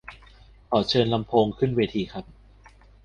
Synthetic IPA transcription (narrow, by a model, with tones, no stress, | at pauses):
kʰɔː˨˩t͡ɕʰɤː˧nla˧mpʰoː˧ŋkʰɯ˥˩nweː˧t̪ʰiː˧kʰɾa˦˥p̚